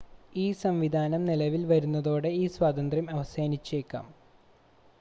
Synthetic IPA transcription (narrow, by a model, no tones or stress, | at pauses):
iːsɐmʋid̪ʱaːnɐmnilɐʋilʋɐɾunːɐðo̞ːɽe̞iːswaːt̪ɐnd̪rɐmɐʋɐseːnit͡ɕːeːkːa̰ːm